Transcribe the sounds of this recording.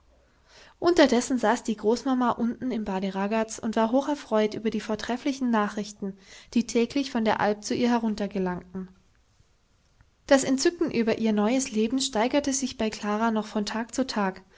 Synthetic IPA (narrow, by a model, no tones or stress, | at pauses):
ʔʊntɐdɛsn̩zaːsd̥iːɡʁoːsmamaʔʊntn̩ɪmbaːdəʁaɡat͡sʊntv̥aːɐɦoːxɛɐfʁ̥ɔʏtʔyːbɐdiːfoːɐtʁ̥ɛflɪçn̩naːχʁ̥ɪçtn̩d̥iːtʰɛːklɪçfɔndeːɐʔalp̚t͡suʔiːɐɦɛʁʊntɐɡəlaŋtn̩ | d̥asɛntt͡sʏkŋ̩ʔyːbɐʔiːɐnɔʏəsleːbm̩ʃtaɪɡɐtəzɪçb̥aɪkʰl̥aːʁanɔχfɔntʰaːk̚t͡sutʰaːk